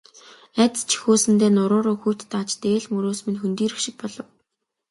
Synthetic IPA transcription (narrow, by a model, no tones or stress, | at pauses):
æt̪st͡ɕʰi̥xoːsɘ̆nt̪eːnʊɾʊːɾʊːxujt̪ːat͡ɕt̪eːɮmɵɾoːsmĭnxunt̪iːɾɘ̆kʃɪ̆k̚pɔɮɞ̆w